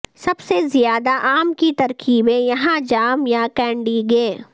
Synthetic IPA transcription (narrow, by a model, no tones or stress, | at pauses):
sɐbsezɪjaːd̪aʔaːmkit̪ɐɾkʰiːbẽjɐɦãd͡ʒaːmjakɛ̃ːɳɖiɡeː